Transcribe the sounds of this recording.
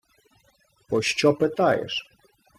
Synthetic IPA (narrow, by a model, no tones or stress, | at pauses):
pɔʃt͡ʃɔpɪt̪ɑjɛ̰ʃ